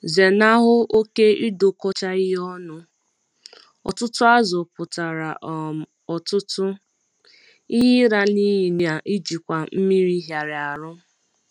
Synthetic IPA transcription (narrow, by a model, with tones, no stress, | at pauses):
ze˨na˦ɦʊ˦o˦ke˦i˦do˨kɔ˦t͡ʃa˦ɪ˦ɦɔ˦nʊ˦ | ɔ̰˨tʊ˦tʊ˦a˦zʊ˨pʊ˨ta˨ɾa˨ʔ | ɔ˨tʊ˦tʊ˦ | i˦ɦɪ˦ɾa˨ni˦ji˨n˨a˨ʔi˦d͡ʒi˨kʷa˨m̩˦mi˦ɾi˦ɦja˨ɾɪ˨a˨ɾʊ˦